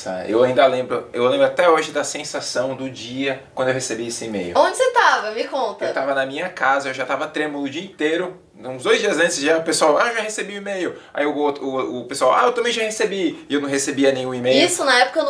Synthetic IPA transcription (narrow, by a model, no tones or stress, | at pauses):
sa̰ḛwaĩnd̪ɐlẽmbɾʊewlẽmbɾʊat̪ɛoʒɪd̪ɐsẽsasɐ̃w̃d̪ʊd͡ʒiɐkwɐ̃nd̪ʊewhesebiesɪimḛjʊ̰õd͡ʒɪset̪avɐmɪkõnt̪ɐewt̪avɐnɐmĩɲɐkazɐewʒat̪avɐt̪ɾẽmʊlˠʊd͡ʒiɐĩt̪ejɾʊ | ũzd̪ojzd͡ʒiɐzɐ̃nt͡ʃɪzʒaʊpesuawaeʒahesebiʊimejʊa̰iewot̪ʊʊpesuawa̰ewt̪ɐmẽj̃ʒahesebiɪewnɐ̃ɦhesebiɐnẽj̃ũimejisʊnɐɛpʊ̥kɐn